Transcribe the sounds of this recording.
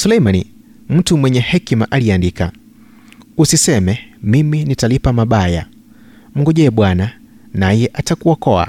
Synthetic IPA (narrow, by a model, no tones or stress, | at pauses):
sulɛjmani | m̩tumwɛɲɛhɛkimaʔaliandika̰ | usisɛmɛmiminitalipamaɓaja̰ | m̩ŋɡɔʄɛɓwana | najɛʔatakuwakɔa̰